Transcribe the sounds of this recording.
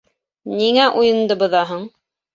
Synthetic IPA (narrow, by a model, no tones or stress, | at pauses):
niŋæʔujɤ̆nd̪ɤbɤ̆ðɑɦɤɴ